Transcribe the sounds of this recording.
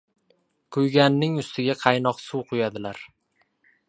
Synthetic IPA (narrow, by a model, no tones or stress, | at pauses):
kʰʊjɡʲanːɪŋʊst̪ʰɪɡʲaqʰɑjnɒqsuwqʰʊjad̪ɪlaɾ